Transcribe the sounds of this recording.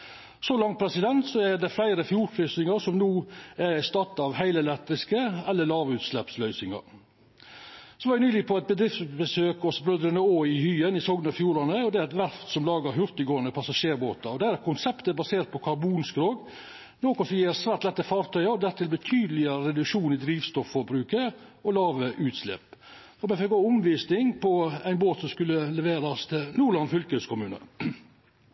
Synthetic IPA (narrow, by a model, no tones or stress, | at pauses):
solɑŋpʰɾɛsɪd̪ɛnt̪sɔæɾd̪ɛflæɪɾəfjuːɾkʰɾʏsnɪŋɑɾsɔmnuːæɾst̪ɑt̪ːɑʋhæɪləɛlɛkt̪ɾɪskəɛlːəɭɑːʋʉːt̪slɛpslœʏsɪŋɑ̰ɾ | sɔʋɑɾʋɪnyːlɪɡəpʰɔɛt̪̚bəd̪ɾɪft̪bəsøːkɔsbɾʉd̪ɾənəoːɪhyːənɪsɔɡnɑfjuːɾɑnəɔd̪ɛæɾɛt̪ʋæɾft̪sɔmlɑːɡəɾhʉɾt̪əɡoːənəpʰɑsɑʂeːɾboːt̪ɑɾɔd̪ɛæɾɛkʰʊnsɛpt̪əæbɑseːɾt̪̚pʰɔkʰɑɾbuːnskɾoːɡ | noːkɔsɔjeːɾsʋæːɾt̪lɛt̪ːəfɑɾt̪ʰœʏɑɔd̪æɾt̪ʰɪlbət̪ʰyːd̪əlɪəɾəɾɛd̪ʉkʂuːnɪd̪ɾiːʋst̪ɔfːɔɾbɾʉːkəɾɔlɑːʋəʔʉːt̪slɛ̰ːp | fɔmɛfɛɡoːʊmʋiːsnɪŋpɔæɪnboːt̪sɔmskʉlːəlɛʋeːɾɑst̪ʰɪlnuːɾɭɑnfʏlkəœskʰʊmʉːnə̰